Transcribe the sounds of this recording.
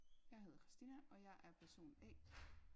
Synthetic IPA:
jɑ̈ɦe̝ð̞ˠɐkʰʁisd̥inæʔɒ̽jɑ̈ɪʔæɐpʰæɐso̝̰ːnɛ̰ː

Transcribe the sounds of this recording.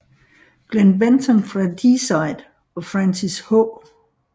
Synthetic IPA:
ɡ̥lenbent͡sʰɔnfʁɑd̥isɑɪd̥ | ɒfʁansishɔ

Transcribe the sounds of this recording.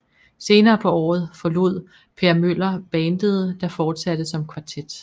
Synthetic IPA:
se̝ːnɐːpʰɒ̽ɒ̰ːð̞̩ˠfɒ̽lo̝ð̞̰ˠ | pʰeɐmøl̰ɐb̥ɛːnd̥əð̞̩ˠəd̥ɑ̈fɒːd̥sæd̥əsɒ̽mkʰʋɑ̈t͡sʰed̥

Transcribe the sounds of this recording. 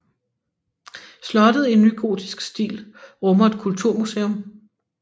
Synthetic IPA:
slɒ̽d̥əð̞̩ˠie̝nːyɡ̥o̝̰ːd̥isɡ̥sd̥ḭːlʁɔ̽mɐe̝d̥̚kʰult͡sʰuɐ̰musḛːom

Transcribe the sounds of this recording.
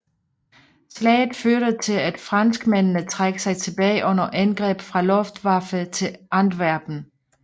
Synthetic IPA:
slɛ̰ːɪð̩ˠføɐ̰ɾ̥ət͡sʰe̝læd̥fʁɑ̈nsɡ̥mennət͡sʰʁaɡ̥sɑ̈ɪt͡sʰe̝b̥ɛːɪʔɔ̽n̰ɐʔænɡ̥ʁɛ̰ːb̥fʁɑ̈lɔ̽fd̥ʋɑ̈fət͡sʰe̝ʔɑnd̥ʋæɐb̥n̩

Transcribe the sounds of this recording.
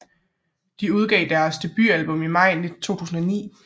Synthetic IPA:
d̥iuð̞ˠɡ̥ɛɪd̥æɐsd̥e̝b̥yælb̥ɔ̽mimɑ̈ɪ̰net͡sʰo̝̰ːt͡sʰṵːsn̩ɒnḭː

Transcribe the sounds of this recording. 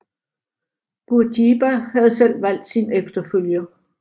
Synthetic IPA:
b̥uɐdib̥æhæð̞ˠsel̰ʋæl̰d̥sinefd̥ɐføljɐ

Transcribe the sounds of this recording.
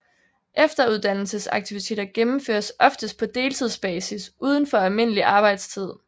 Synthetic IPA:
ʔefd̥ɐuð̞ˠd̥æn̰l̩səsɑ̈ɡ̥̚t͡sʰiʋit͡sʰe̝̰ːdɐɡ̥emm̩fø̰ːɐsʔɒ̽fd̥əsd̥̚pʰɒ̽d̥e̝ːlt͡sʰið̞ˠsb̥ɛːsisʔuːð̞ˠənfɒ̽ælme̝n̰əliʔɑ̈ːb̥ɑ̈ɪd̥st͡sʰið̞̰ˠ

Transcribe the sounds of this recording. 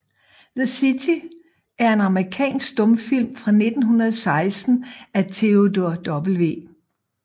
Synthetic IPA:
ðəsit͡sʰi | æɐe̝nɑ̈mʁikʰɛ̰ːnsɡ̥d̥ɔ̽mfil̰mfʁɑ̈ne̝d̥n̩ɦunɐðˠsɑ̈ɪsd̥n̩æt͡sʰe̝o̝doɐd̥ɒb̥l̩ʋe̝̰ː

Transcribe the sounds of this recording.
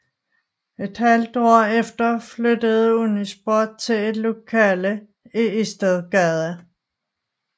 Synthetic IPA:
e̝d̥hæld̥ɒ̰ːefd̥ɐflød̥əð̞̩ˠəhunisb̥ɒːd̥̚t͡sʰe̝le̝d̥lo̝kʰɛːlə | eisd̥æðˠɡ̥æðˠæ

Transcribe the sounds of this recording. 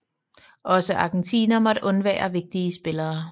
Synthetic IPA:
ʔɒ̽səʔɑ̈ɡ̥en̩t͡sʰḭːnɐmɒ̽d̥ʔɔ̽nʋɛ̰ːɐʋe̝ɡ̥̚d̥iəsb̥e̝lɐː

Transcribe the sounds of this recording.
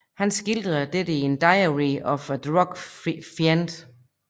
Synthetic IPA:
hænsɡ̥ild̥ð̩ˠd̥edəiend̥ɑ̈ɪɐʁiɒfæd̥ʁɒɡ̥fjænd̥

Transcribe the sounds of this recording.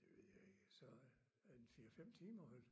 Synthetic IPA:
d̥eʋe̝ð̰ˠjae̝ɡ̥əsɒ | ænfiːɐfem̰t͡sʰiːmɐhɛl

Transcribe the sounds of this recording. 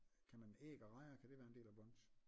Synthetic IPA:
kʰæmænḛːɡ̥ɐʁɑ̈ɪɐkʰæd̥e̝ʋæːɐende̝̰ːlæb̥ɔn̰s

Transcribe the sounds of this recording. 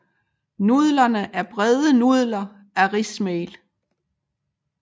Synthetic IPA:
nuðˠlɐnəʔæɐb̥ʁɛðˠənuð̰ˠlɐ | æɐʁismeːl

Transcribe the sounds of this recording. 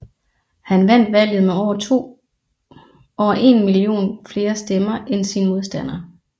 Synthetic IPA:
hænʋæn̰d̥ʋæl̰ð̩ˠmeɒʊ̰ɐt͡sʰo̝̰ː | ɒʊɐʔe̝nmilio̝̰ːnfle̝ːɐsd̥emɐʔensinəmo̝ð̞ˠsd̥æn̰ɐː

